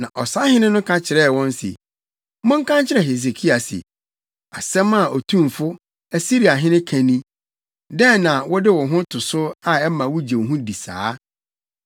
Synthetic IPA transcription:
nã˨ʔɔ˨sa˦hɪ̃˦nɪ̃˦nʊ̃˦kʰã˦t͡ɕʰɪ˨ɾɛ˦˨wɔ̃˦n˦sḛ˨ | mʊ̃˦ŋ̩˦kʰã˦nt͡ɕʰɪ˦ɾɛ˨ɦe˨s̬e˨kʰi˦a˨sɪ̰˨ | a˨sɛ̃˦ma˦˨ɔ˨tʰũ˦mfʊ˦ | æ˨si˦ɾi˨a˨ɦɪ̃˦nɪ̃˦kʰã˨nĩ˦ | dɛ̃˦nã˨wɔ˦dɪ˦wɔ˨ɦʊ̃˦tʰʊ˨sʊ˦a˨ɛ˦mã˨wʊ˦d͡ʑe˨wɦũ˦di˨sa̰ː˦

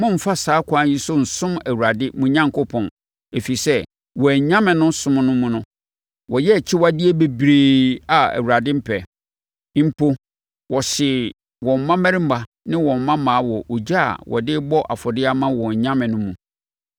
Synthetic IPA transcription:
mʊ̃˦m̩˨fa˦saː˨˦kʰã˦ji˦sʊ˦n̩˨sʊ̃˦mæ˨wu˨ɾa˨dɪ˦mũ˨ɲã˦ŋkʰo˦pʰɔ̃˨n | e˨fi˨sɛ˦ | wɔ˨æ˨ɲã˦mɪ̃˨nʊ̃˦sʊ̃˦mnʊ̃˦mũ˨nʊ̃˦ | wɔ˨jɛ˦˨t͡ɕʰɪ˦wa˦dɪ˦e˦be˦bɾeː˨a˨æ̰˨wu˨ɾa˨dɪ˦m̩˦˨pʰɛ˨˦ | m̩˨pʰo˦ | wɔ˨ɕɪ˨ | wɔ̃˨m̩˨mã˦mæ̃˦ɾɪ˦m̩˦ba˨ | nɪ̃˦wɔ̃˨m̩˨mã˦mãː˨˦wɔ˨ʔo˨d͡ʑa̰˦˨wɔ̰˨dɪ˦bɔ˦ʔa̰˨fɔ˨dɪ˦a˦mã˦wɔ̃˨ɲ˨ɲã˦mɪ̃˨nʊ̃˦mũ˨

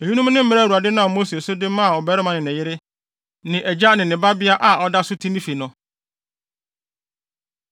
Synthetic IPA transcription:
e˨hi˦nũ˦m˦nɪ̃˦m̩˦mɪ̃˦ɾɛ˦˨u˨a˨dɪ˦nʊ̃˦a˨mo˦se˨o˨sʊ˦dɪ˦mã˦a˨ɔ˨bɛ˦ɾɪ˦mã˨nɪ̃˨nɛ̃˨jɪ˦ɾɪ˦ | nɪ̃˨ʔɛ˨d͡ʑa˦nɪ̃˨nɪ̃˨ba˦bɪ˦a˦ʔa˨ɔ˦da˦sʊ˦tʰĩ˦mĩ˦fi˨nʊ̃˨

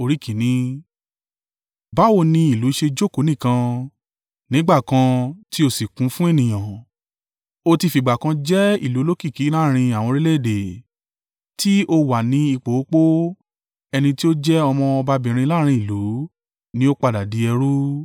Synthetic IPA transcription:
o˨ɾi˨˦kĩ˨nĩ˨˦ | ba˨˦wo˦˨nĩ˧i˦˨lu˨˦i˦ʃe˧d͡ʒo˦˨ko˨˦nĩ˦˨kã˧ | nĩ˨˦ɡ͡ba˦˨kã˧ti˦o˦˨si˨kũ˨˦fũ˦e˦˨nĩ˨j̃ã˨ | o˧ti˧fi˨ɡ͡ba˨kã˧d͡ʒɛ˦ḭ˦˨lu˨˦lo˦ki˦˨ki˨˦la˦ɾ̃ĩ˧a˨w̃ɔ̃˧ɾe˦le˦˨de˨ | ti˦ʔo˧wa˨nĩ˨˦i˧k͡po˨o˦k͡po˦ | ɛ˧nĩ˧ti˦o˦d͡ʒɛ˦ɔ˧mɔ̃˧ɔ˧ba˧bĩ˨ɾ̃ĩ˧la˦ɾ̃ĩ˧i˦˨lu˨˦ | nĩ˦o˦k͡pa˧da˨di˨˧˦ɛ˧ɾu˦

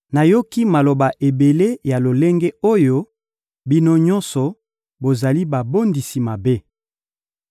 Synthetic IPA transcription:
na˨jo˦ki˦ma˨lo˨ba˨ʔe˨be˨le˦ja˨lo˨le˦ŋɡe˦o˦jo˦ | bi˦no˦ɲɔ˦nsɔ˨ | bo˨za˨li˦ba˨bo˦ndi˨si˨ma˨be˦

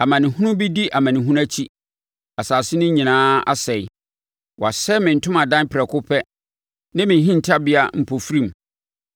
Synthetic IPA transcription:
a˨mã˨nɪ̃˨hʊ̃˦nʊ̃˦bi˦di˦ʔa˨mã˨nɪ̃˨ɦũ˦æ˦t͡ɕʰi˦ | a˨saː˨sɪ˦nʊ̃˦ɲĩ˨nãː˦a̰˦sɛ˨ɪ˨ | wa˨sɛ˦mɪ̃˨n̩˨tʰʊ̃˦mã˨dã˦n˦pʰɪ˨ɾɛ˨kʰʊ˦pʰɛ˦ | nã˦mɪ̃˨ɦĩ˦n̩˨tʰa˦bɪ˦a˦m̩˨pʰo˨fɾĩ˦m

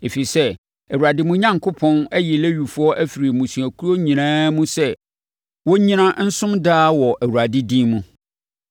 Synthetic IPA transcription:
e˨fi˨sɛ˦ | æ˨wu˨ɾa˨dɪ˦mũ˦ɲã˦ŋkʰʊ˦pʰɔ̃˦næ˦jɛ˨le˦ɥu˨fu˦ɔ˦ʔæ˦fi˨ɾi˨mũ˨sũ˨æ˨kʰu˦ɾo˦ɲĩ˨nãː˦mũ˦sɛ˦ | wɔ˦ɲĩ˦nã˦n̩˦sʊ̃˦mdaː˦wɔ˨ʔæ˨wu˨ɾa˨dɪ˦dĩ˦mũ˦

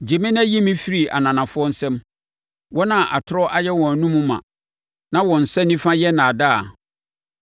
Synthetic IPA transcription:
d͡ʑi˨mɪ̃˦n˦æ˦ji˦mĩ˦fi˦ɾi˨ʔa̰˨nã˨nã˨fʊ˦ɔ˦n̩˦sɛ̃˦m | wɔ˦nã˨ʔa˨tʰʊ˦ɾɔ˦ʔa˦jɛ˦wɔ̃˨a˨nũ˦mũ˦mã̰˨ | nã˦wɔ̃˨n̩˨sɛ̃˦nĩ˦fã˦jɛ˦nã˨da˦a̰˨

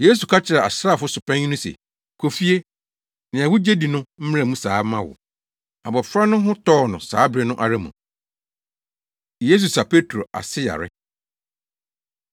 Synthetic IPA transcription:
je˦s̬u˨kʰa˦t͡ɕʰɪ˨ɾɛ˨a̰˨sɾa˦˨fʊ˦sʊ˨pʰã˦ɲi˦nʊ̃˦sḛ˨ | kʰo˨fi˦e˦ | nɪ̃˨a˨wʊ˦d͡ʑe˦di˨nʊ̃˦m̩˦m̃˦ɾã˨mũ˦saː˨˦mã˦wʊ̰˨ | a˨bɔ˨fɾa˦nʊ̃˦ɦʊ̃˦tʰɔː˦˨nʊ̃˨sa̰ː˨˦bɾɪ˦nʊ̃˦ʔa˨ɾa˦mṵ̃˨ | jeː˦s̬u˨sa˨pʰe˦tʰɾo˨a̰˨sɪ˦ja̰˨ɾɪ̰˦

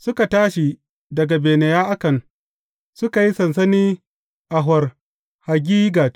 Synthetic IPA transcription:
sʊ˦ka˨taː˦ʃi˨ | dɐ˨ɡa˨beː˨ne˨jaː˦ʔa˦kɐ˨n | sʊ˦ka˨ji˦sɐ˨nsɐ˦niː˦ | ʔa˨ɦɐ˨r | ha˨ɡʲiː˦ɡaː˨

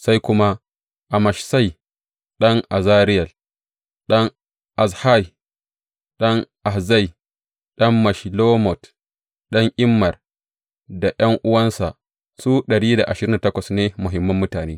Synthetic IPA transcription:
sa˦jkʷʊ˦ma˦ | ʔa˨mɐ˨ʃsa˦j | ɗɐ˦ŋʔa˨zaː˦ɾɪ˦jɐ˨l | ɗɐ˦ŋ | ʔa˨sha˦j | ɗɐ˦ŋʔa˨hza˦˨j | ɗɐ˦mːa˨ʃloː˦mɔ˨t | ɗɐ˦ŋʔɪ˦mːɐ˨r | da˨jɐ˦ŋʔʊ˦wɐ˦nsa˨ | suː˦ɗɐ˨ɽiː˦da̰˨ʔa˨ʃɪ˨ɾɪ˦nda˨tɐ˦kʷɐ˨sneː˦mʊ˨ɦɪ˨mːɐ˦mːʊ˦taː˨neː˦

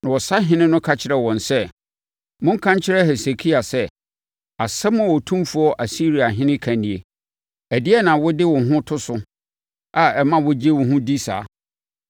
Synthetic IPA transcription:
nã˨wɔ˨sa˦ɦɪ̃˦nɪ̃˦nʊ̃˦kʰa˦t͡ɕʰɪ˨ɾɛ˨wɔ̃˨nsɛ˦ | mʊ̃˦ŋ̩˦kʰã˦ɲt͡ɕʰɪ˦ɾɛ˦hɛ˨se˨kʰi˦a˨sɛ˦ | a˨sɛ˦mʊ̃˦˨wɔ˨tʰũ˦mfu˨˦ɔ˦ʔa˨si˦ɾi˨a˨ɦɪ̃˦nɪ̃˦kʰã˨nĩ˨e˨ | ɛ˨dɪ˦ɛ˦nã˨wʊ˦dɪ˦wʊ̃˨ɦʊ̃˦tʰʊ˦sʊ˦ | a˨ɛ˨mã˦wʊ˦d͡ʑe˦wʊ̃˨ɦʊ̃˦di˦sa̰ː˨˦

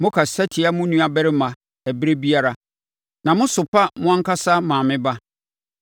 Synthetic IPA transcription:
mʊ̃˦kʰa˨sa˦tʰi˨a˦mʊ̃˦nũ˦a˨bɛ˦ɾɪ˦mã˨ | ɛ˨bɾe˦bi˦a˦ɾa˦ | nã˨mʊ̃˦sʊ˨pʰa˦mʊ̃˦ã˦ŋkʰa˦sa˦mãː˨mɪ̃˦ba˦

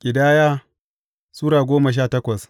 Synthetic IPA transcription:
kʲʼɪ˨daː˦jaː˦ | suː˦ɽaː˨ɡʷoː˦mɐ˨ʃ̬aː˦˨tɐ˦kʷɐ˨s

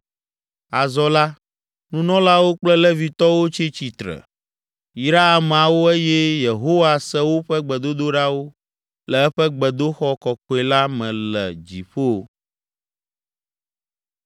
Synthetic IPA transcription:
a˨zɔ˦la˦ | nũ˦nɔ̃˦la˦wo˦k͡plɛ˦lɛ˦vi˨t̪ɔ˦wo˦t͡ɕi˦t͡ɕi˨t̪ɾɛ̰˨ | i˨ɾa˦a˨ma˨wo˦e˦jɛ˦je˨ɦo˦wa˨sɛ˦wo˦ɸɛ˦ɡ͡bɛ˨d̪o˦d̪o˦ɖa˦wo˦ | lɛ˨ɛ˦ɸɛ˦ɡ͡bɛ˨d̪o˦xɔ˦kɔ˨kɔ˨˦e˨la˦mɛ̃˨lɛ̰˨d͡ʑḭ˨ɸo˦˨

